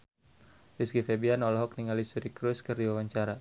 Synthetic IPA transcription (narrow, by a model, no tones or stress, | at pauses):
riskifebianɔlɔɦɔk̚niŋalisuɾikɾuskɨrdiwawaɲt͡ʃaɾa